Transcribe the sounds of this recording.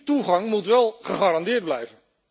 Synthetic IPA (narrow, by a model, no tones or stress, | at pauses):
tuχɑŋmutʋɛlˠχəχaːrɑndɪːɹd̚blɛjvən